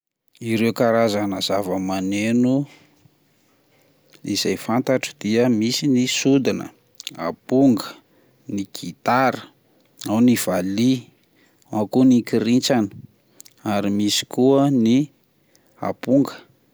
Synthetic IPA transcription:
iɾewkaɾazanəz̥avəmanenu | iz̥ajfant̪aʈ͡ʂə̥d̪̥iəmisinisud̪inə̰ | a̰puŋɡə | niɡʰit̪aɾə̥ | awniv̥ali | akunikiɾint͡sanə̥ | aɾimisi̥kuəni | a̰puŋɡə̥

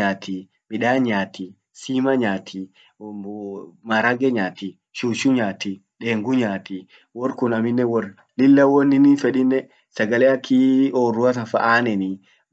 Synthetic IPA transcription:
aːt̪ʰi | mɪᶑaːɲaːt̪i | siːmɐɲaːt̪ʰi | maɾɐɡɛɲaːt̪i | ʃuːʃʊɲaːt̪i | ᶑeːŋɡʊɲaːt̪i | wɔɾkʊnɐmɪnːɛwɔr | lɪlːɐwɔnːɪnifɛᶑɪnːɛ | sɐɡɐlɛɐkʰːioːrːʊɐt̪ɐnfɐ̰ʔaːnɛni

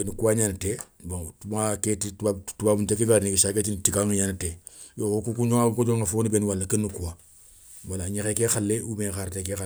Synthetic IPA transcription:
enukuwaɲanatebõŋtumaketitatubaːbuntekeɡaɾnikisaketintikaŋɲanate | jookukuɲoŋakod͡ʒoŋafoːnibenwalːakənːukuwa | walaɲekekexalːeumekaɾtekexa

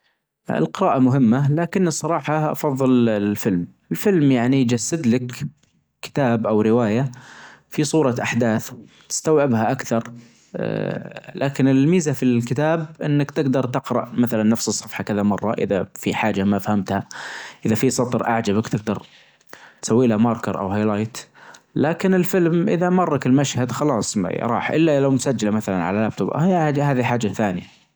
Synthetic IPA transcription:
ɪ̰lqɪɾaːʔamʊɦɪmːalaːkɪnːɨsˤːɑɾˤɑːħɑʔɑ̰fɑðˤːɨlɪlfɪlm | ɪlfɪlmjaʕnid͡ʒasːad̪lɪk | kɪ̥t̪aːbʔawɾɪwaːjafisˤuːɾˤɑʔaħd̪aːθt̪ɪ̥st̪awʕɪbhaʔakθɑɾˤ | lʔa̰ːkɪnɪlmiːzafilkɪt̪aːbʔɪ̰nːakt̪ɪɡd̪ɑɾˤt̪ɪqɾˤɑ̰ʔmaθalanːafsɨsˤːɑfħɑkɪðamɑrˤːɑ̰ʔɪ̰ðafiħaːd͡ʒamafhamt̪haʔɪðafisˤɑt̪ˤɾʔaʕd͡ʒabakt̪ɪɡ̚d̪ɑɾˤ | t̪sawːiːlamɑːɾˤkɑɾˤʔa̰whajlaːjt̪laːkɪnɪlfɪlmʔɪðamɑrˤːɑkɪlmaʃhad̪xɑlɑːsˤɾˤɑ̰ːħʔɪ̰lːalawmʊsad͡ʒːalamaθala̰nʕa̰lalaːb̚t̪ʊb̰ahaːðiħaːd͡ʒːaθaːnɪja

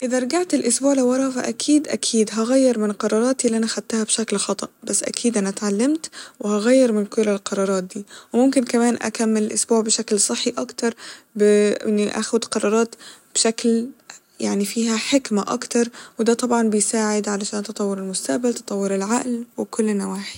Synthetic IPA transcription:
ʔɪðæɾˤɑɡaʕt̪ɪlʔʊsbuːʕlawːɑɾˤɑʔfa̰ʔækʰiːd̪ʔækʰiːd̪ɦɑɣæjːɪɾˤmɪnqɑɾˤɑːɾˤɑːt̪iʔlːʔænaʔxad̪̚t̪ːahæbʃæklxɑt̪ˤɑʔb̥asːʔæ̰kʰiːd̪ʔænæt̪ʕalːamt̪wɪhɑɣæjːɪɾˤmɪnkʊlːɪlqɑɾˤɑːɾˤɑːt̪̚d̪iːwɪmʊmkɪnkæmæːnʔæ̰kamːɪlɪlʔʊsbuːʕbɪʃæklsˤɨħːiʔɑkt̪ɑɾˤbɪnːiʔa̰xʊd̪qɑɾˤɑːɾˤɑːt̪b̥ʃakl | jaʕnifiːɦæħɪkmaʔɑ̰kt̪ɑɾˤwɪd̪æːt̪ˤɑbʕɑnbɪjsaːʕɪd̪ʕalaʃæːnt̪ɨt̪ˤɑwːɑɾɪlmʊst̪aʔbalt̪ɨ̥t̪ˤɑwːɪɾɪlʕaʔlwɪkʊlːnːawaːħi̥

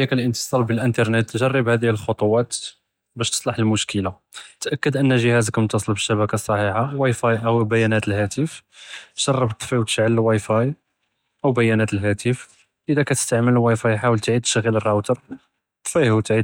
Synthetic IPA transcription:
ækəlʔənt̪ə̥sˤɑɾbəlʔənt̪ɑɾˤnət̪ːʒɑrˤːəbhæd̪ihəlxot̪ˤʊwɑt̪ | bæʃt̪ə̥sˤlɑħəlmʊʃkəla | t̪ʔækːəd̪ʔənːəʒəhæzkæmt̪ːɑsˤəlbəʃːæbækasˤːɑħiħawɑjfɑjʔəwbæjænæt̪əlhæt̪əfʒɑrˤːəbt̪ˤːfiwt̪ə̥ʃʕəlwɑjfɑj | ʔəwbæjænæt̪əlɦæt̪əf | ʔəd̪ækæt̪ə̥st̪aʕməlwɑjfɑjħawəlt̪ʕid̪̚t̪ə̥ʃɣːələrˤːɑt̪əɾˤ | t̪ˤːfihut̪ʕi

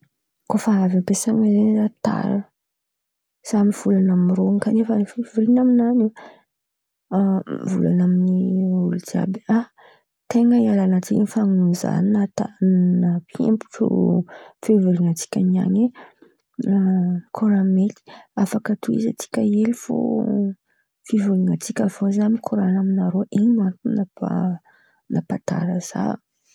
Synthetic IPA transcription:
kofaɾavampesaŋienzat̪a̰ɾə | z̥amiv̥ulanamiɾoŋkanefənfevuɾinaminane | vṵla̰naminiulid͡ʒa̰bi̥a | t̪eŋəialanat͡sikinfaŋunza̰ninat̪annapʰḛmpu̥ʈ͡ʂṵfevuluŋat͡si̥kʲania̰ɲe | kʰoɾameli̥afakət̪ʰuḭza̰t͡si̥kʲəelifo̰ | fivuliŋat͡sikʲəvozanikʰoɾanaminaɾoʔinimant̪unapa̰ | napat̪a̰ɾəz̥a̰

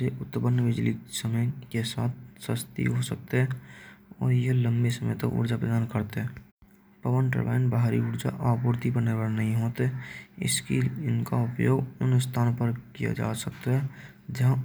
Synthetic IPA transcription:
eʔʊt̪bənʋɪd͡ʒlisəməjkesaːt̪̚ʰsəst̪ḭɦosək̚t̪eɦɛ | ɔ̰ːɾjələ̃mbesəmə̰jt̪o̰ʔʊ̰ɾd͡ʒapɾəd̪aːnkəɾt̪eɦɛ | pəʋəɳʈɾə̰ba̰ɪnbaɦaɾiʊɾd͡ʒa̰ʔɔːpʊɾt̪ibənebəɾnəɦĩɦoːt̪ɪ̰skḭɪnka̰ʊpjoːɡʊnst̪ʰaːnpəɾkija̰d͡ʒa̰ːsək̚t̪aɦɛ | d͡ʒəɦã

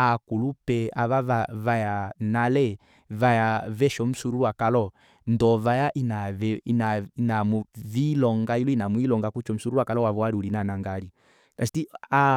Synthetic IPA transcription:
akulupɛaβavavajanalɛ | vajavɛʃɔm̩suɾuwakalɔ | ndɔvajaʔinaɛinainamuvilɔŋɡailuinamwilɔŋɡakut͡ʃɔm̩suɾuwakalɔwavɔaɾiulinanaŋɡaɾi | kasitia

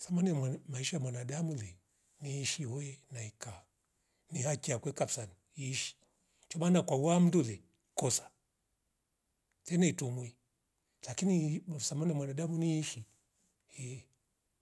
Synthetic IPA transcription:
samanɛmaiʃaamwanadamulɛ | niːʃihɔjɛnaika | nihakiakwɛkapsani | iːʃi̥ | t͡ʃɔmanakwawam̩dulɛ | kɔsḁ | tɛnaitumwi | lakinisamanimwanaɗamuniiʃi | hɛ

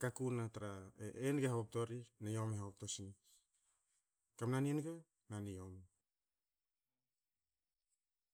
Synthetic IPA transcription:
kakunataɾaeenɡehaop̚to̞ɾinajomeaop̚tosin | kamnanienɡe | naniom

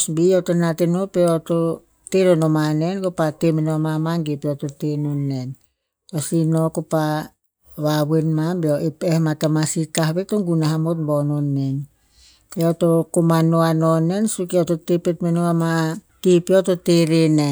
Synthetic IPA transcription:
sbiotonatenopeoto | teɾonomanenkopatemenoamamaŋɡepeototenonːen | osinokopa | βaβenmabeoʔepehmatamasitaɦbetoŋɡunaɦamot̚bononːen | peotokomanoanone̞nsukeototepetmenoama | kipiototeɾene

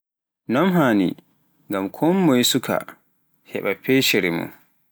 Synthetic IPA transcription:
nɔmɦaːnḭ | ŋɡamkʰɔmːɔjisukʰa̰ | hɛ̰ɓapʰɛʃɛɾɛmṵn

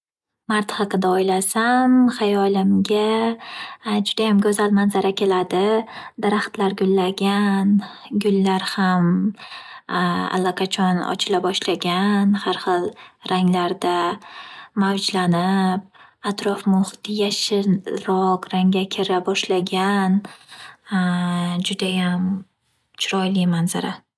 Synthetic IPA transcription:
maɾt̪hɑqɨd̪aɒjlasamχajɒlɪmɡʲa | d͡ʒʊd̪ajamɡʲɵzalmanzaɾakʲʰe̞lad̪ɪd̪aɾaχt̪laɾɡʲʊlːaɡʲan | ɡʲʊlːaɾham | a̰lːaqʰat͡ʃʰɒnɒ̰t͡ʃʰɪlabɒʃlaɡʲanhaɾχɨlˠɾaŋlaɾd̪a | mawd͡ʒlanɪp̚at̪ɾɒfmʊχt̪ɪjaʃɪɾɒqɾaŋɡʲakʲʰɪɾabɒʃlaɡʲan | d͡ʒʊd̪ajam | t͡ʃʰʊɾɒjlɪmanza̰ɾa

